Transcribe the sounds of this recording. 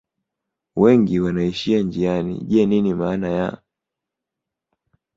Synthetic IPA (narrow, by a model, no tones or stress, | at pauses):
wɛŋɡiwanaiʃiand͡ʒianḭʄɛninimaːnaja̰